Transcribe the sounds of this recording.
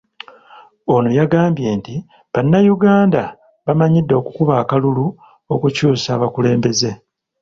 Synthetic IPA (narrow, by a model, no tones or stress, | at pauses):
o̞nojaɡaːmbje̞ːnti | βanːajuɡaːnda | βamaɲidːo̞kukuβaːkalulu | o̞kucuːsaːβakule̞ːmbe̞ze̞